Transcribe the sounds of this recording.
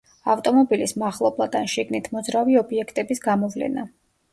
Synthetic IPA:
aft̪ʼɔmɔbilismaχlˠɔblˠad̪̥anʃiɡnit̪ʰmɔd̪zɾaviɔbiɛkʰt̪ʼɛbisɡamɔvlɛ̰na̰

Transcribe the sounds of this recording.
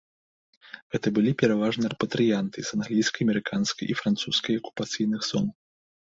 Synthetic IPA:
ɣɛt̪ɐbɨlʲipʲɛɾavaʐnɨrɛpɐt̪ɾɨjant̪ɨzanɣlʲijskɐjɐmʲɛɾɨkʰanskɐjʔifɾant̪suskɐjɐku̥pat̪sɨjnɨxz̥ɔ̰n

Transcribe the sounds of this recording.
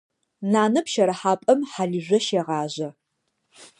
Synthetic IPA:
naːnɐpʃɐɾɐħaːpʼɐmħaɮiʑʷɐʃeʁɑːʑɐ

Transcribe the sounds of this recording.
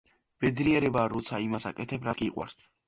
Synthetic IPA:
b̥ɛd̪ɾiɛɾɛbaːɾɔt̪sʰaimasa̰kʼɛt̪ʰɛbɾakʼiːqʼwa̰ɾs

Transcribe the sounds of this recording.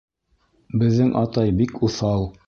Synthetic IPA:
bɘ̆ðːɘŋʔɑt̪ɑjbikʰuθɑw̪ˠ

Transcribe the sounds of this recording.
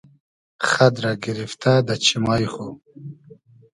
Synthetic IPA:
χad̪ɾaɡiɾift̪ʰad̪at͡ɕʰimajχu

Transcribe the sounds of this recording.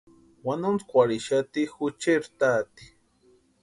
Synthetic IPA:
wanunt͡skʷaɾiʃat̪ixut͡ʃeɾt̪aːt̪i̥

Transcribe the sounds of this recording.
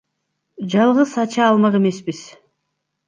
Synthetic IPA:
d͡ʒɑlˠʁɯzɑt͡ʃɑːlˠmɑʁeme̞sbiz̥

